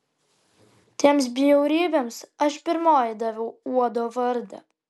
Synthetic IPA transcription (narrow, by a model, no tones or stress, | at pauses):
t̪ʲiɛms̬bʲijɛʊɾʲiːbʲemsɐʃpʲɪɾmoːjd̪ɐʋʲɛʊuɔd̪oːʋɐɾd̪ɐ̰